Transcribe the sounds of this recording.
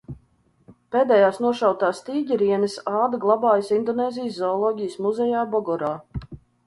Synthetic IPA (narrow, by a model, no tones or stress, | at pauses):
peːd̪ɛjaːsnuɔʃawt̪aːst̪iːɟiɾiɛnɨsɑːd̪ɨɡlˠɑbaːjsind̪ɔneːzʲijszɔɔlˠɔːɡʲijəsmuzɛjaːbɔɡɔɾaː